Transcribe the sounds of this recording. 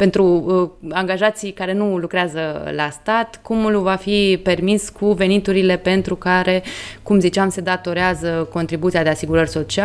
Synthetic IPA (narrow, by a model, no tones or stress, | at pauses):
pe̞nt̪ɾuaŋɡaʒat̪sijkaɾe̞nulukɾeazəlast̪at̪kumlvafipe̞rmiskʰuve̞nit̪uɾile̞pe̞nt̪ɾukaɾe̞kumzit͡ʃamse̞d̪at̪o̞ɾeazəko̞nt̪ɾibut̪sijad̪e̞asiɡuɾərʲso̞t͡ʃia